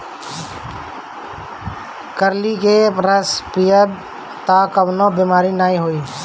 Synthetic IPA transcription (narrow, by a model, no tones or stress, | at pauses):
kəɾlikeɾəspijəb | t̪akəbnobimaːɾinaːĩɦoi